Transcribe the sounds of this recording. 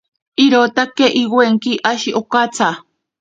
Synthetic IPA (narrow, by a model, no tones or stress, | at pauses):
iɾot̪akeʔiɡweŋkiʔaʃiʔokat͡sa